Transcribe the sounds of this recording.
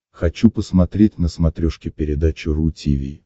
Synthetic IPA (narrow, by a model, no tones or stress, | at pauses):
xɐt͡ɕupəsmɐt̪ɾʲet̚ʲnəsmɐt̪ɾʲoʂkʲɪpʲɪɾʲɪd̪at͡ɕɪɾʊtʲḭvʲḭ